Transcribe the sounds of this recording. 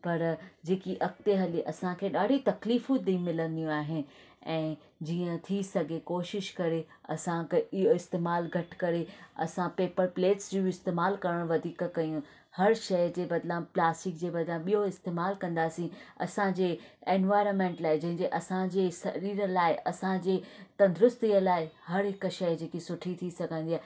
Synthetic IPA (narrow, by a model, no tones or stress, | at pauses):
pɐɾd͡ʑeːkiʔɐkt̪eɦɐliʔɐsãkʰeːɗaːɽ̤ʱit̪ɐkliːfũd̪ĩmɪlə̃nd̪ijũaːɦɪnɪ̆ɛ̃ː | d͡ʑiːə̃t̪ʰisɐɡʱekoːʃɪʃkɐɾe | ɐ̰sãkɪjoɪst̪eːmaːlɡʱɐʈkɐɾeɐ̰sãpeːpəɾpleːʈsd͡ʑuːɪst̪eːmaːlkɐɾəɽ̃ʋɐd̪ʱiːkkɐjũ | hɐɾʃɐjd͡ʑeːbɐd̪ləbplaːsʈɪk̚d͡ʑeːbɐd̪lãɓijoɪst̪eːmaːlkɐ̃nd̪aːsĩɐ̰sãd͡ʑeːeːnʋaːɪɾənmẽːɳʈlaːɦɪd͡ʑɐ̃ɦɪ̃ɲd͡ʑeʔɐsãd͡ʑeːsɐɾiːɾəlaːɪʔɐsãd͡ʑeːt̪ɐ̃nd̪ʊɾʊst̪iəlaːɪhɐɾɦɪkʃɐjd͡ʑeːkesʊʈʰit̪ʰisɐɡʱə̃nd̪iaːɦɪ